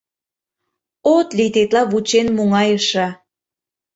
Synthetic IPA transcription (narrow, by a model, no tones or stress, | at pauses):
ot̪lit̪et̪lɑβut͡ɕenmuŋɑjəʃɑ